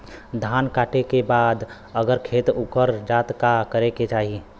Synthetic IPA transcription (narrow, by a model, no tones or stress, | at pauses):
d̪ʱaːnkaːʈekebaːd̪ | əɡəɾkʰeːt̪ukəɾd͡ʒaːt̪kakəɾeket͡ʃaːɦi